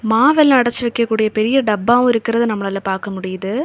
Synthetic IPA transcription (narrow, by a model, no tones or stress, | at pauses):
maːʋɛlːɐɽɐt͡ʃːɯʋɛɪkːɐkːuːɽɪjɐpɛɾɪjɐɖɐbːaːʋʊ̃ɪɾɯkːɪɾɐðɯnɐmːɐɭɐlːɐpaːɾkɐmʊɽɪjɐðɯ